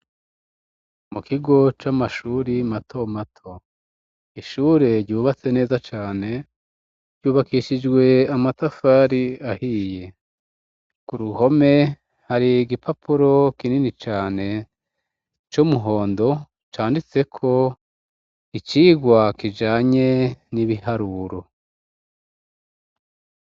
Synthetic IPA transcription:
mukiɡo̞t͡ʃamaʃuːɾimatʰo̞matʰo̞ | iʃuːɾe̞ɾɟuːβat͡se̞ne̞ːzat͡ʃaːne̞ | ɾɟuːβakiʃid͡ʒɡwe̞amatafaːɾiahiːje | kuɾuho̞me̞ | haɾiɡipʰapʰuɾo̞kininit͡ʃaːne̞ | t͡ʃomuɦo̞ːndo̞ | t͡ʃaːndit͡se̞kʰo̞ | it͡ʃiːɡwakid͡ʒaːɲe̞niβihaɾuːɾo̞

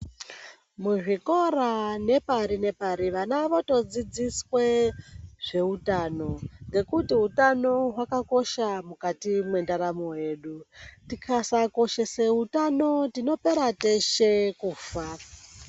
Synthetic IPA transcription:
muʐiko̞ɾane̞paɾine̞paɾiʋanaʋo̞to̞d͡zid͡ziswe̞ʐ̥e̞utano̞ŋɡe̞kutiutano̞ɦwakako̞ʃamukatimwe̞ndaɾamoɦje̞ːɗutikʰasako̞ʃeseutano̞tino̞pe̞ɾate̞ʃekuːfa

